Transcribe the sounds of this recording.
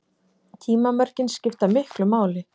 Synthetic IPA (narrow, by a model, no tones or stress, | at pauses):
t̪ʰiːmamœɾcɪnscɪft̪amɪhklʏmaːwlɪ